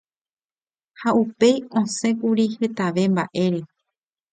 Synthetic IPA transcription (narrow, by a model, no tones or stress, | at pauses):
haupe̞jõsẽ̞kuɾihe̞t̪aʋe̞mbaʔe̞ɾe̞